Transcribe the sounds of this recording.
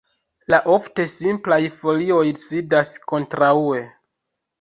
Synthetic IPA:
laʔo̞fte̞simplajfo̞lio̞jsidasko̞ntɾaue̞

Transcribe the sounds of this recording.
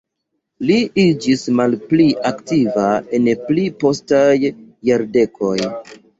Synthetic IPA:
liid͡ʒismalpliʔaktivae̞nplipo̞stajːaɾde̞kʰo̞j

